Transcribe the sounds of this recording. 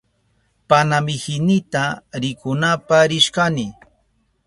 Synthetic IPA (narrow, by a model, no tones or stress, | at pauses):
panamɪhɪnɪt̪aɾɪkʊnapaɾɪʃkanɪ